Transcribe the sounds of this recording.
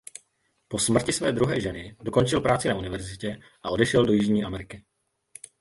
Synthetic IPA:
po̞smr̩cɪsvɛːd̪ɾuɦɛːʒɛnɪdo̞ko̞nt͡ʃɪlpɾaːt͡sɪnaʔunɪvɛɾzɪcɛ | ʔaʔo̞dɛʃɛldo̞jɪʒɲiːʔamɛɾɪkɪ

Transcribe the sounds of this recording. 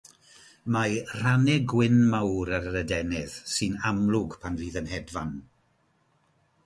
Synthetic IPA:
majr̥anɛɡwɪnmawɾəɾəɾədɛnɪðsɨnamlˠʊɡpʰanviːðənhɛdvan

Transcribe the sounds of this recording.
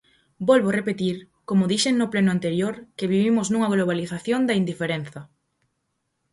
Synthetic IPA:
bɔlβorepet̪iɾ | komʊðiʃeŋnʊplenʊant̪eɾjoɾkeβ̞iβimʊznuŋɐɣloβ̞aliθaθjond̪ɐind̪ifeɾen̟θɐ

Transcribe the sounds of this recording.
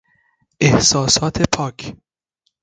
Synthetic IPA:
ʔehsɒːsɒːt̪ʰepʰɒːkʰ

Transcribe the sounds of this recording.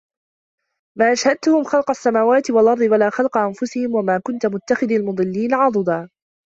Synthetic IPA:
maːʔaʃhad̪̚t̪ʊhʊmxɑlqɑsːamaːwaːt̪ɪwalʔɑɾˤd̪ˤɨwalaːxɑlqɑʔanfʊsɪhɪmwamaːkʊnt̪amʊt̪ːaxɪðlmʊd̪ˤɨlːiːnaʕɑd̪ˤɨd̪aː

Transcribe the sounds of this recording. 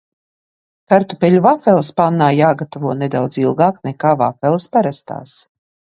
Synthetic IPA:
kaɾt̪upelʲuvafɛlˠspanːaːjaːɡat̪avuɔned̪awd̪zilˠɡaːknekaːva̰fɛlˠspaɾast̪a̰ːs

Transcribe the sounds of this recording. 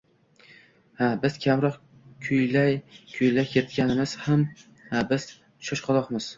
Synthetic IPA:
habɪz̥kʲʰamɾɒq | kʲʰʊjlajkʲʰʊjlajkʲʰet̪̚kʲanɪmɪz̥ham | habɪz̥ | ʃɒʃqʰɑlˠɒqmɪz̥

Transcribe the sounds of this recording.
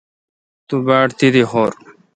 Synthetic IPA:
t̪ubaːʈt̪id̪ihoːɾ

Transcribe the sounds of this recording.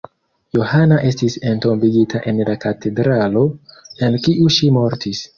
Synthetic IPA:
johanaʔe̞stise̞nto̞mbiɡitʰaʔe̞nlakate̞dɾalo̞elkiʔuʃimo̞ɾtis

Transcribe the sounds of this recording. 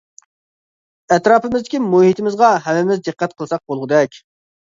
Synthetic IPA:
ɛt̪ɾɑːpɪmɪzd̪ɪkʲimuhit̪ɪmɪzʁɑɦɛmɪmɪzd̪ɨqːæt̪̚qʰəlˠsɑq̚bolˠʁəd̪ɛkʲ

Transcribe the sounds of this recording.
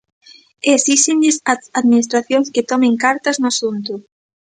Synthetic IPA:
esiʃeɲʎɪsaaðminist̪ɾaθjoŋsket̪ɔmẽŋkaɾt̪ɐznʊasunt̪ʊ

